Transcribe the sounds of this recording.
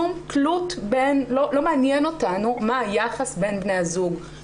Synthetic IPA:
umklutbenlo̞lo̞meanjeno̞tanumaːjaχasbe̞nbne̞jazuɡ

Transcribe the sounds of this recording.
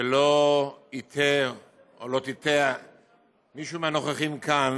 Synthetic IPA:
eloit̪ʰe | olo̞t̪it̪ea | miʃumanoχeχimkan

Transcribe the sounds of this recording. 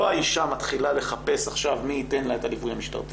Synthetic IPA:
aiʃamat̪χilale̞χape̞saχʃavmiːte̞nlaet̪alivujamiʃta̰ʁfi

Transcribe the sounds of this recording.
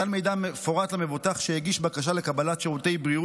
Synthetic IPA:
alme̞jd̪amefoʁat̪lamevot̪aχʃejeɡiʃbakaʃale̞kabalat̪ʃiʁut̪e̞jbʁiu

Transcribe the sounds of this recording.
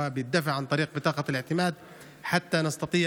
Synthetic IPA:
abɪjɪt̪̚d̪afɪʕant̪ˤɑɾiːq̚bɪt̪ˤɑːqɑlɪʕt̪ɪmaːd̪ | ħat̪ːanɑst̪ɑt̪ˤiː

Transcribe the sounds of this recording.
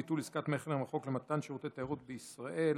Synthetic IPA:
it̪ulizkat̪meχlemʁaχo̞klemat̪anʃeʁot̪et̪ahaʁut̪beisʁaʔe̞l

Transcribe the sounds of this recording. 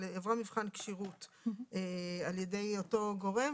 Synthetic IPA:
evʁamivχankʃiʁut | ealjedejoto̞ɡo̞ʁe̞m

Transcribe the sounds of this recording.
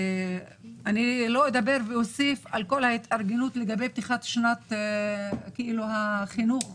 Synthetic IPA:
anilo̞ed̪abe̞ʁveosifalko̞lhait̪aʁɡenut̪leɡabe̞jb̚t̪iχat̪ʃnat̪ | kiʔiluhaχinuχ

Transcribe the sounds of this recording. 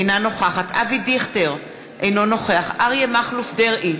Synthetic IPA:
jnano̞χaχat̪ʰavidiχteʁ | ʔejno̞no̞χeaχaʁjemaχlufdeʁi

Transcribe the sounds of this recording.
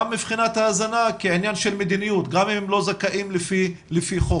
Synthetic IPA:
amːiv̥χinat̪haːzanakeʕinjanʃelmed̪inijut̪ɡamimemlo̞zakaʔimlfi | lefiχo

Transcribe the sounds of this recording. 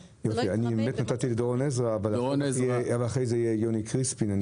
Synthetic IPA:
jofianibemet̪nat̪at̪iled̪oʁonezʁaːvalaeavalaχʁejzeijejonikʁispinan

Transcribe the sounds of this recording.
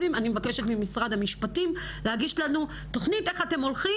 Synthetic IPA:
imanimevake̞ʃe̞tmimisʁad̪hamiʃpatim | lehaɡiʃlanu | to̞χnite̞χate̞mo̞lχi

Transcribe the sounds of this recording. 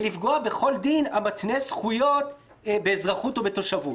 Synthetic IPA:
lifɡoabe̞χo̞ld̪inamat̪nesχujo̞t | beːzʁaχutobeto̞ʃavut

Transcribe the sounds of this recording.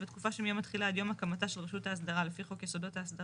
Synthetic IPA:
bet̪kufaʃemijomat̪χilaad̪jo̞makamataʃelʁeʃutaːs̬d̪aʁalefiχo̞kjesodo̞taːsd̪a

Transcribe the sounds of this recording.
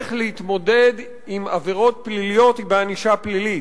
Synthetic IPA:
χlehit̪mo̞de̞d̪ | imaveʁo̞t̪̚plilijo̞t̪hibeaniʃaplili

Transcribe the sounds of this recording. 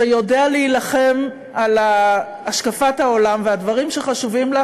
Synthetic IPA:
ejo̞dealeilaχe̞m | alaː | ʃkafathao̞lamveadvaʁimʃeχaʃuvimla

